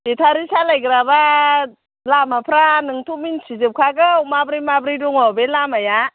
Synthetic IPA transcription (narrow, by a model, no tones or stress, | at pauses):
etʰaɾisalajɡɾaba | lamapʰɾanɯŋtʰuminsizɯp̚kʰaɡɯwmabɾimabɾiduŋɔbelamaja